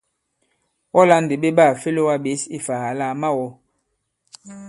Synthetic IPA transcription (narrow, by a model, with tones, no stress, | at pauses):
ɔ˦la˦n˨de˨be˦ba˦˨fe˦lo˦wa˦be˨˦si˦fa˨ha˨la˦˨ma˦wɔ˦